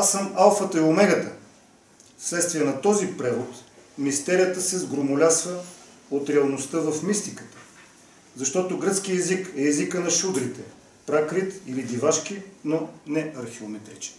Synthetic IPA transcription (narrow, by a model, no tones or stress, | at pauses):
asəmalˠfət̪əɛomɛɡət̪ə | fslɛt̪st̪viɛnɐt̪ɔzipɾɛvot̪mist̪ɛɾijət̪əsɛzɡɾomʊlʲasvə | ot̪ɾɛɐlˠnost̪əvəfmist̪ikə̥t̪ə̥ | zɐʃt̪ɔt̪oɡɾɤt̪sk̟iɛzikɛːzikənɐʃud̪ɾit̪ɛ | pɾakɾit̪ilid̪ivaʃk̟inonɛɐɾxiomɛt̪ɾɛt͡ʃɛ̥